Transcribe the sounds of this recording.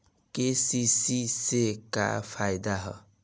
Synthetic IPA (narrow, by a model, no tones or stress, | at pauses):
kesisiseka̰pʰajd̪aɦʌ̰